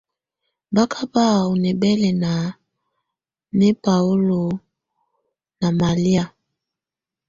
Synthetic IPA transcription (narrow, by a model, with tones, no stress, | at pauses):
ba˦kʰa˦ba˦˨o˨nɛ˨bɛ˦lɛ˨na˨ | ne˦pa˨o˦lo˨ | na˨ma˨li˦a˨